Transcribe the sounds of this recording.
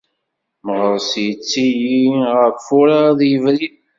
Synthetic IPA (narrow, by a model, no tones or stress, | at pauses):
məʁəɾsjət͡sːijiʁəɾfʊɾaðjəvɾi